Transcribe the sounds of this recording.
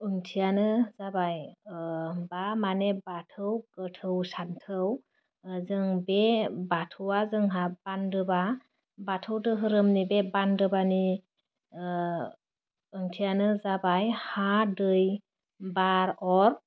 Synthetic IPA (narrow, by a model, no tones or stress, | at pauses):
ɯŋtʰijanɯzabaj | bamanebatʰɯwkətʰɯwsantʰɯw | zɯŋbebatʰuwazɯŋɦab̥andɯba | batʰɯwtɯɦɯɾɯmnibebandɯbani | ɯŋtʰijanɯzabajhadɯj | baɾɔɾ